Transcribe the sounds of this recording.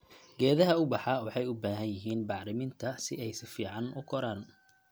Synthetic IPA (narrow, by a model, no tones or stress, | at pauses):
ɡ̥ɛːðɐɦɐʊbɑħɑwɑħɑjʊbaːɦɐnjɪɦiːnbɑʕɾɪmɪnt̪ʰɐsɪɛjsɪfiːʕɑnʔʊ̰kʰɔɾaːn